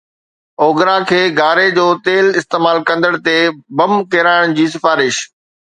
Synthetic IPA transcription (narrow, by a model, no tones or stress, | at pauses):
oːɡɾakʰeːɡʱaːɾed͡ʑoːt̪eːlɪst̪eːmaːlkɐ̃nd̪əɽ̃t̪ebɐmkeːɾaːɪɽ̃d͡ʑiːsɪfaːɾɪʃ